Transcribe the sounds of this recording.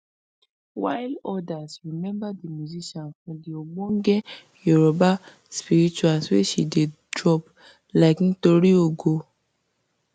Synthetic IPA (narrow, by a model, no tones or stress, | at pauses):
wajlɔdasɾimɛ̃mbadimjuziʃɔ̃nkũdioɡ͡bõŋ̩ɡe | juɾɔba | spiɾit͡ʃualsweʃḭdedɾɔb | lakn̩toɾioɡo